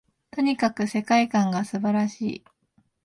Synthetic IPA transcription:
t̪o̞ɲ̟ikakɯ̟se̞kaikãŋɡasɨbaɾaɕḭː

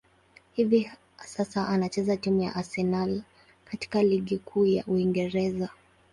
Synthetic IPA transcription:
hivi | sasaʔanat͡ʃɛzatimuja̰ʔasɛnal | kati̥kaliɠikʰuːja̰ʔuiŋɡɛɾɛza

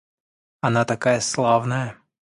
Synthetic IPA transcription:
ɐnat̪akajɛslˠavnɐjɐ

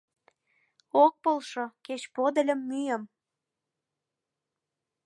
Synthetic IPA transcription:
ok̚polʃoket͡ɕpod̪ə̆lʲə̆mːyjəm

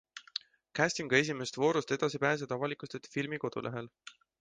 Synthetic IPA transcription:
kæst̪iŋɡ̥ɑe̞s̬ʲime̞st̪vo̞ːɾust̪e̞d̪̥ɑsipæːs̬ed̪̥ɑvɑlikˑust̪et̪ːfilmiko̞d̪̥ṵlʔeɦe̞l

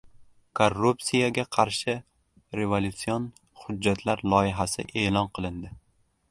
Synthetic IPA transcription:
kʰorːupsijaɡʲaqʰɑɾʃɪ | ɾe̞volʲut̪sijon | hʊd͡ʒːat̪ʰlaɾlˠɒjɪɦasɪ̰ʔe̞ːlɒnqʰɨlˠɪnd̪ɪ

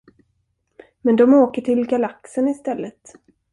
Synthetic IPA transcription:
mɛnd̪ɔmoːkəʈʰɪlɡalaksənɪst̪ɛlːət̪

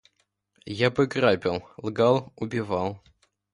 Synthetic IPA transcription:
jabɨɡrapʲɪlˠlˠɡalˠʊbʲɪvalˠ

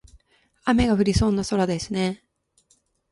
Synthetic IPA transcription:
ame̞ɡaɸɯ̟ɾʲiso̞ːnːaso̞ɾad̪esɨne̞

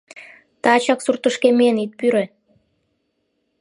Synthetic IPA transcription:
t̪ɑt͡ɕɑksurt̪əʃkemenit̪̚pyɾe

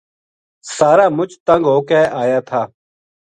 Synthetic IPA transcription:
saːɾaːmʊt͡ʃt̪ə̃ŋɡɦoːkɛːʔaːjaːt̪ʰaː

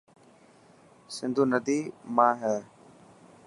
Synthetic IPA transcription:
sɪnd̪ʱuːnəd̪iːmãːɦɛː

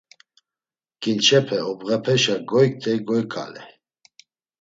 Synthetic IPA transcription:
kʼint͡ʃʰɛpʰɛɔbɣɛpʰɛʃaɡɔjk̚t̪ʰɛɡɔjkʼa̰lɛ̰

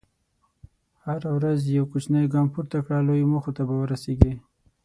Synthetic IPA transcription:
haɾawɾazjawkut͡ʃnajɡɑmpuɾt̪akɽalojmuxot̪abawəɾaseɡi

